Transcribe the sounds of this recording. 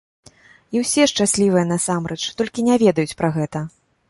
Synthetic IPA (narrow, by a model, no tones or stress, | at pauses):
iwsʲɛʂt͡ʂasʲlʲivɨjɛnasamɾɛt͡ʂt̪ɔlʲkʲinʲɛvʲɛd̪ɐjut͡sʲpɾaɣɛt̪ɐ